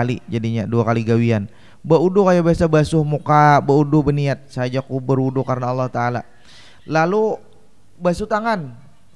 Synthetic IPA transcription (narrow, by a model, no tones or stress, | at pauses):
alid͡ʒadiɲaduakaliɡawian | baudʊkajabiasabasʊhmukabəudʊbəniat̪̚saad͡ʒakubəɾudʊkaɾənaːlːaht̪aːla | lalu | basʊht̪aŋan